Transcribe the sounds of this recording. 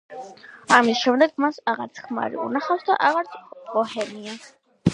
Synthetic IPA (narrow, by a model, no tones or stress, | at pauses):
amisʃɛmd̪ɛɡmasaʁaɾt̪sʰχma̰ɾḭṵnaχafsd̪a̰ʔaʁaɾsʰʁɔhɛnia